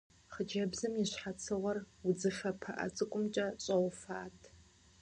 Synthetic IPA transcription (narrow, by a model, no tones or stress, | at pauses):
χəd͡ʒɐbzɨmjɪɕħat͡sʰɨʁʷɔr | ʊd͡zɨfɐpʰɐ̰ʔɐ̰t͡sʼɨkʷʼʊmt͡ʃʼɐɕʼɐwfaːtʰ